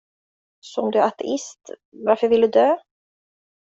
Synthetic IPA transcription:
sɔɔmd̪ɵat̪ʰɛ̰ʔɪst̪ | vaɾfœɾvɪlɵd̪øː

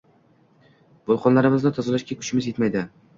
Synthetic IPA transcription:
b̥olˠqʰɒnlaɾɪmɪzd̪at̪ʰɒzɪlaʃkʲakʰʊ̥t͡ʃɪmɪzjet̪majd̪ɪ

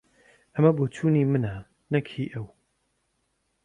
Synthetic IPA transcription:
ʔɐmɐboːt͡ʃʰuːniːmɨna | nɐkʰiːʔɐw

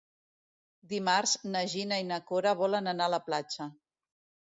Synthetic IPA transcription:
d̪imarznəʒinəinəkoɾəβ̞ɔlənənaələplat͡ʃə

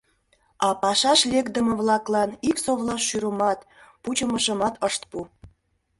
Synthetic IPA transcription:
ɑpɑʃɑʃlʲekd̪əmə̆βlɑklɑniksoβlɑʃːyɾomɑt̪put͡ɕəməʃə̆mɑt̪əʃt̪̚pu

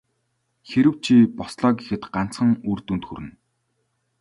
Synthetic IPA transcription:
xeɾɘ̆w̥t͡ɕʰiːpɔsɮɔːɡexɘ̆t̪ɢan̥t͡sχə̆ŋurt̪unt̪xuɾɘ̆n

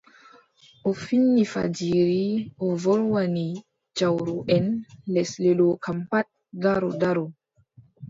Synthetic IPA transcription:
ʔofinːifa̰d͡ʒiɾiovoɾwani | d͡ʒawɾuʔɛnlɛslelokampat̚ | ɡaɾodaɾo

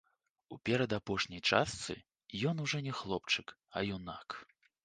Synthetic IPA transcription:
upʲɛɾɐd̪apɔʂnʲɐjt͡ʂast̪sɨ̰ | jɔnuʐɔnʲɛxlˠɔpt͡ʂɨk | ɐ̰jɔnak

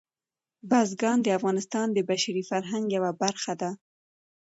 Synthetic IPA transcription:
bazɡɑnd̪əafɣɑnɪst̪ɑnd̪əbaʃaɾifaɾɦaŋɡjawabaɾxad̪a

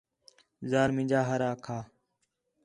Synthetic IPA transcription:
zaːɾmɪ̃d͡ʒaːɦəɾaːkʰaː

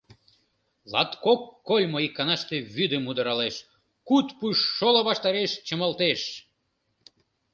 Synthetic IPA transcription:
lɑ̰t̪kokːolʲmoikːɑnɑʃt̪eβyd̪əmud̪əɾɑleʃ | kut̪puʃːoloβɑʃt̪ɑɾeʃt͡ɕəməlt̪eʃ

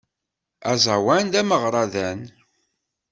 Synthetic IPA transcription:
æzˤɑwænd̪æməʁɾˤɑðæn

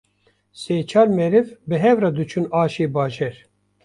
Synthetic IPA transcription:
seːt͡ʃʰɑːɾmɛɾɪvbɨɦɛvrɑd̪ut͡ʃʰunɑːʃeːbɑːʒɛɾ

